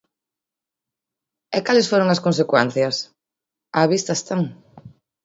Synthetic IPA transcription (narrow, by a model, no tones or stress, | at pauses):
ɛkalɪsfoɾoŋɐskons̬ekwɛn̟θjɐs | aːβist̪ɐest̪aŋ